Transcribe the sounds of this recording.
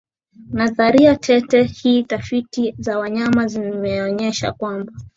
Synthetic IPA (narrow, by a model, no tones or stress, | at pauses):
naðaɾiatʰɛtɛhiːtafitizawaɲamazimɛɔɲɛʃa̰kwamba